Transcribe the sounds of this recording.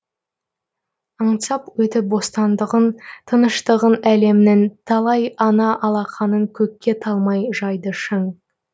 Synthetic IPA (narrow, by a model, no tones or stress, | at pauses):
ɑɴsɑpwɵt̪ɪbo̞st̪ɑnd̪əʁənt̪ʰənəʃt̪əʁənæle̞mɪnent̪ʰɑlˠɑjɑnɑʔɑlˠɑqʰɑnəŋkʲʰɵkʲːe̞t̪ʰɑlˠmɑjʒɑjd̪əʃəɴ